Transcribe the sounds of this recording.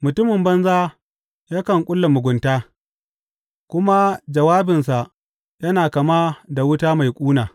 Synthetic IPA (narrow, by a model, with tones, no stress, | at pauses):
mʊ˨tʊ˦mɪ˨mbɐ˦nzaː˦ | jaː˦kɐ˨ŋkʷʼʊ˦lːa˨mʊ˨ɡʷʊ˨ntaː˦ | kʷʊ˦ma˦d͡ʒɐ˨waː˦bɪ˨nsa˨ʔ | jɐ˦naː˨kɐ˨ma˦da˨wʊ˦taː˦ma˨jkʷʼuː˦naː˨